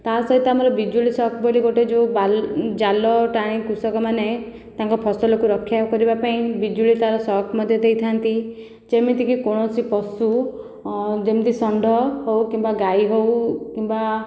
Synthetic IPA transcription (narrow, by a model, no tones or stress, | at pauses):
t̪asɔɦit̪ɔamɔɾɔbid͡ʒuɭisɔkʰboliɡoʈed͡ʒebald͡ʒalɔʈaɽ̃ĩkusɔkɔmane | t̪aŋkɔpʰɔsɔlɔkuɾɔkʰːjakɔɾibapaĩbid͡ʒuɭit̪aɾɔsɔkʰmɔd̪ʱjɔd̪ejt̪ʰant̪i | d͡ʒemit̪ikikoɽ̃ɔsipɔsu | d͡ʒemit̪isɔɳɖʱɔhowkimbaɡajɦowkimba